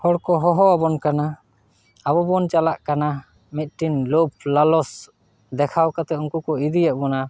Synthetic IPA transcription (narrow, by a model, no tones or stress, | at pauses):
hɔɽkɔɦɔɦɔabɔnkanaː | bɔbɔnt͡ʃalaʔkana | mit̪̚ʈinlop̚ʰlalɔs | d̪ɛkʰawkat̪ɛuŋkukɔid̪ijaʔbɔna